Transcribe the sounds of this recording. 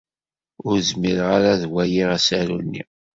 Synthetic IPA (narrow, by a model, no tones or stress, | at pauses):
ʊɾzmiɾʁaɾaðwæjiʁæsæɾunːḭ